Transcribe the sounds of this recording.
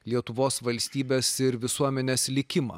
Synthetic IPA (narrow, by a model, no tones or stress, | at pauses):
lʲiɛt̪ʊʋoːsʋɐlʲsʲt̪ʲiːbʲeːsɪɾʋʲɪsuɔmʲɛnʲeːslʲɪkʲɪmɑ̰ː